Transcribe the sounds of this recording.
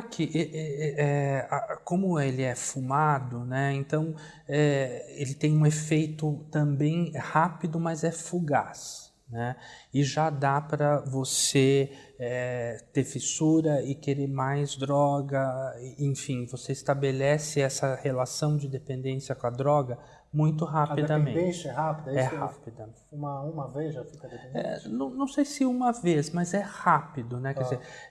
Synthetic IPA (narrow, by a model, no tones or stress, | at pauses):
kʰɪʔʔɛɛɛakõmʊelɪɛfumad̪ʊnɛẽnt̪ɐ̃w̃ | ɛelɪt̪ẽj̃ũefejt̪ʊt̪ɐ̃mbẽj̃hapid̪ʊmɐzɛfuɡa̰s | nɛɪʒad̪apɾɐvoseɛt̪eɾfisuɾɐɪkeɾeɾmajzd̪ɾɔɡɐɪẽfĩvoseɪst̪abelɛsɪɛsɐhelasɐ̃w̃d͡ʒɪd̪epẽnd̪ẽsjɐkõɐd̪ɾɔɡɐ | mũj̃t̪̬ʊɦapdid̪d̪ɐmẽd̪ẽsɐɛɦapid̪ɐɛha̰pid̪ɐ | ũmɐũmɐvezʒafikɐd̪eẽdɛḛ̃nɐ̃w̃nɐ̃w̃sejsɪũmɐvesmɐzɛhapid̪ʊnɛkɛɾd͡ʒɪzeɾ